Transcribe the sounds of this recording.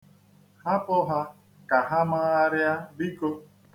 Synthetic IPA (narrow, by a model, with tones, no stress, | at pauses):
ha˦pɔ˦ɦa˦ | ka˨ɦa˦ma˦a˦ɾja˦bi˦ko˦